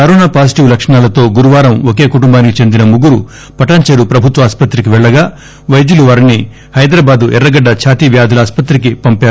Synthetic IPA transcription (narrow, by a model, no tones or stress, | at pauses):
kɐɾɔːnaːpaːs̬i̥ʈiʋlɐkʂɐɳaːlɐt̪o̞ːɡuɾuʋaːɾɐmoke̞ːkuʈumbaːnikit͡ʃe̞nd̪inɐmuɡuɾu | pɐʈaːɲt͡ʃeːɾupɾɐbʱut̪ʋɐaːspɐt̪ɾikiʋɛɭːɐɡaː | ʋɐjd̪juluʋaːɾini | hɐjd̪ɾaːbaːd̪uʔɛɾːɐɡɐɖːɐt͡ʃʰaːt̪iːʋjaːd̪ʱɐlɐaːspɐt̪ɾikipɐmpjaːɾu